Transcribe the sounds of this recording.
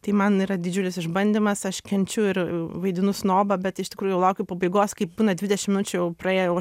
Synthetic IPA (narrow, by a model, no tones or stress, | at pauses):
t̪ɐɪmɐniːɾɐd̪ʲɪd͡ʒʲʊlʲɪsɪʒbɐnʲd̪ʲimɐsɐʃkʲɛnʲt͡ʃʲʊɪɾʋɐɪd̪ʲɪnʊsnoːbɐbʲɛt̪ɪʃt̪ʲɪkɾuːjʊjɛʊlˠɐʊkʲʊpɐbɐɪɡoːskɐɪp̚buːnɐdʲʋʲɪdʲɛʃʲɪmʲɪnʊt͡ʃʲʊjɛʊprɐeːjojɛʊɐ